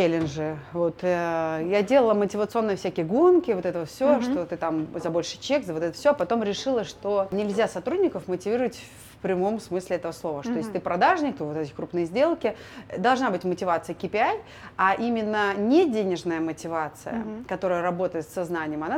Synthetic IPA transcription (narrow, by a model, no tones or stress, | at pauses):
elʲɪnʐɨvo̞t̪jadʲe̞lˠəlˠəmətʲɪvət̪sɨo̞nːəjəfsʲækʲɪjəɡunkʲɪvo̞t̪ɛt̪əvəfsʲoʂt̪o̞t̪ɨt̪amzɐbo̞lʲʂɨ̥t͡ɕekzəvo̞t̪ɛt̪ə̥fsʲoɐpɐt̪o̞mɾʲɪʂɨlˠəʂt̪o̞nʲɪlʲzʲasɐt̪ɾudʲnʲɪkəfmətʲɪvʲiɾəvətʲf | pɾʲɪmo̞msmɨsʲlʲɪɛt̪əvəslˠo̞vəʂt̪ojesʲt̪ɨpɾɐd̪aʐnʲɪk̚t̪ovot̪ɛt̪əɪkɾupnɨjəzʲdʲe̞lˠkʲɪd̪ɐlˠʐnabɨtʲmətʲɪvat̪sɨjəkʲɪpʲɪaj | aʔimʲɪnːənʲɪdʲenʲɪʐnəjəmətʲɪvat̪sɨ̰jə̰kɐt̪o̞ɾəjəɾɐbo̞t̪əɪt̪sːɐznanʲɪjəmɐna